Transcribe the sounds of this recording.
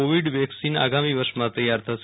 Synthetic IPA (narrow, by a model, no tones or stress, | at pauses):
oʋiɖʋɛksina̰ɡamiʋəɾʃmãt̪əjːaɾt̪ʰəʃ